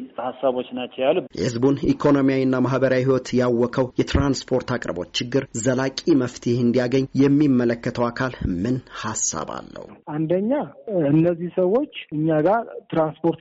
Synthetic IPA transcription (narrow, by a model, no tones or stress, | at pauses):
hasːaβot͡ʃːnat͡ʃːəjaljɛ̰hɨzbunikʰo̞no̞mijawinːamaɦbəɾawiɦiwɔt̪jawːɔkʰəwjɛt̪ʰɾanspʰo̞ɾt̪ʰakʼɾəbo̞̰t͡ʃːt͡ʃːɪɡːɨɾzəlakʼiməft̪ʰihɨnd̪ijaɡəɲːjɛmːimːələkːət̪ʰəwakʰalmɨnhasːa̰ba̰lːə̰huʔand̪əɲːaɨnːəzːihsəwːo̞t͡ʃːɨɲːaɡaɾt̪ɾanspʰoɾt̪